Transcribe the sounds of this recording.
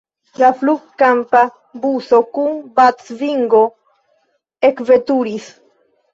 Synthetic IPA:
lafluɡkampa | buso̞kunbat͡sviŋɡo̞ | e̞kve̞tuɾis

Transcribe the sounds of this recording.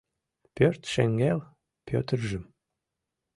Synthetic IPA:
pʲørt̪ʃæŋɡæl | pʲʰø̰t̪ə̆rʒɘ̆m

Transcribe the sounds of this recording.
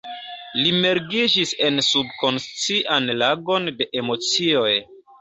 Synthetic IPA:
lime̞ɾɡid͡ʒise̞nsub̚ko̞nst͡siʔanlaɡo̞nde̞ʔemo̞t͡sio̞j

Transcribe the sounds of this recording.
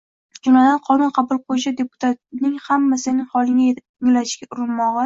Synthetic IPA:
d͡ʒʊnad̪anqʰɒnʊnqʰɑbʊlˠqʰojd͡ʒad̪e̞pʊ̥t̪ʰat̪̚nɪŋhamːasɪnɪŋhɒlˠɪŋa | ɪŋlaʃkʲaʔʊɾɪnmɒʁɨ

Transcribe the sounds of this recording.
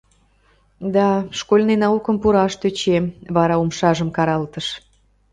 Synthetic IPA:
d̪ɑʃkolʲnenɑukəmpuɾɑʃt̪øt͡ɕemβɑɾɑumʃɑʒəmkɑɾɑlt̪əʃ

